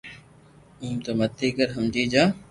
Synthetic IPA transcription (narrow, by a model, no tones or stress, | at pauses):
ũːmt̪əmət̪ʰːiːkəɾɦəmd͡ʒiːd͡ʒaː